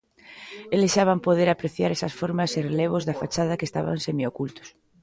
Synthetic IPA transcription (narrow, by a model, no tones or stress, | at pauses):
elesʃaβampoð̞eɾapɾeθjaɾesɐsfoɾmɐsereleβ̞ʊzðafat͡ʃað̞ɐkest̪a̰βa̰ŋsemiokult̪ʊ̥s